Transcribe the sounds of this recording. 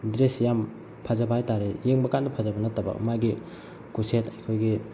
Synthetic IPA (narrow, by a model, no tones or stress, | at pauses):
dɾesjam | pʰazɐbɐajtaɾejeŋbɐkandɐpʰazɐbɐnɐtːɐbɐ̰maɡi | kusetɐjkʰojɡi